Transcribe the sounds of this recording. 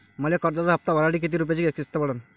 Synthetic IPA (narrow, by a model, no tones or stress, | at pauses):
məlakəɾd͡zat͡saɦəp̚t̪aʋəɾaɽiːk̬it̪̬iːɾup̬jat͡ɕiɡekist̪əbəɽən